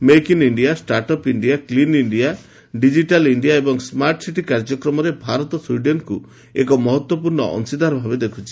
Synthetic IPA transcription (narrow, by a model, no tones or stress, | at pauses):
mekiniɳɖiasʈaɾʈɔpiɳɖiakliniɳɖia | ɖid͡ʒiʈaliɳɖijaebɔŋsmaɾʈsiʈikaɾd͡ʒɔkɾɔmɔɾebʱaɾɔt̪ɔswuiɖenku | ḛkɔmɔɦɔt̪wɔpuɾɳɔ̰ɔ̰nsid̪ʱaɾɔbʱabed̪ekʰut͡ʃʰi̥